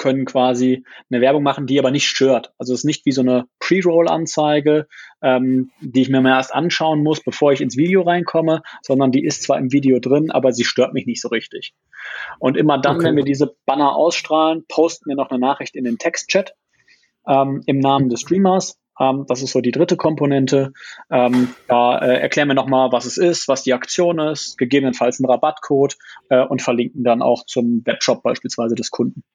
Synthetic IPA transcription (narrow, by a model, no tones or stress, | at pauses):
kʰœnənkv̥aːzinəvɛɐbʊŋmaχn̩diːʔaːbɐnɪçtʃtøːɐtʔalzoɛsɪsnɪçtv̥iːzoːnəpʁ̥iːʁoʊlʔa̰nt͡saɪɡəʔɛːmd̥iːɪçmiːɐmaʔeːɐstʔa̰nʃaʊənmʊsb̥əfoːɐɪçɪnsv̥iːdeoʁaɪnkʰɔməz̥ɔndɐndiːʔɪstt͡sv̥a̰ːɐɪmviːdeodʁɪnʔa̰ːbɐziːʃtøːɐtmɪçnɪçtz̥oːʁɪçtɪç | ʔʊntʔɪmɐdanvɛnviːɐdiːzəb̥anɐʔa̰ʊsʃtʁ̥aːlənpʰoʊstn̩viːɐnɔχnənaːχʁ̥ɪçtɪndeːntʰɛkstt͡ʃɛt | ʔɛːmɪmnaːməndɛstʁ̥iːmɐs | ʔɛːmd̥as̬ɪstz̥oːdiːdʁɪtəkʰɔmponɛntʰəʔɛːmd̥aːʔɛːʔɛ̰ɐkl̥ɛːʁənviːɐnɔχmaːlvasɛsɪstv̥asd̥iːakt͡sjoːnɪstɡ̥əɡeːbənənfalsn̩ʁabatkʰoːtʔɛːʔʊntfɛɐlɪŋkŋ̩dana̰ʊxt͡sʊmvɛpʃɔp̚b̥aɪʃpiːlsv̥aɪzədɛskʰʊndn̩